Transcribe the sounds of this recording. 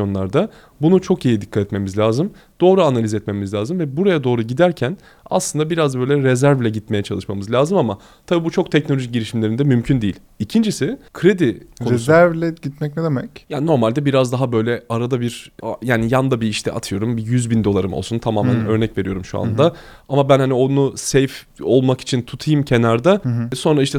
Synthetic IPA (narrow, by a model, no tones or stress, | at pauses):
o̞nlˠaɾd̪a | bunut͡ʃʰo̞kijid̪ikʰːat̪ɛt̪me̞mizlʲaːzɯm | d̪̥o̞ːɾuanalʲizɛt̪memizlʲaːzɯmvɛbuɾajad̪o̞ːɾuɟid̪æɾcʰæn | a̰slɯnd̪abiɾazbø̞jlʲɛɾezæɾvlʲɛɟit̪me̞jɛt͡ʃʰalˠɯʃmamɯzlʲaːzɯmama | t̪ʰabibut͡ʃʰo̞k̚t̪ʰɛcnolʲoʒic̚ɟiɾiʃimlʲe̞ɾind̪ɛmymcʰynd̪ijilʲ | icʰind͡ʒisɪkʰɾe̞d̪ikʰoezæɾvlʲɛɟit̪mɛc̚lʲɛd̪emɛcjaːnno̞ɾmalʲd̪ɛbiɾazd̪aɦabø̞jlʲɛaɾad̪abiɾajaːnijand̪abiːʃt̪ʰɛ̰a̰t̪ʰɯjo̞ɾumbijyzbind̪o̞lˠaɾɯmo̰lˠsunt̪ʰamaːmmænø̞ɾnɛcve̞ɾijo̞ɾumʃua̰nd̪a | amabænhanio̞nusejf | o̞lˠmaki̥t͡ʃʰint̪ʰut̪ʰɯjɯmcʰe̞naɾd̪aso̞nɾaiʃt̪ʰɛ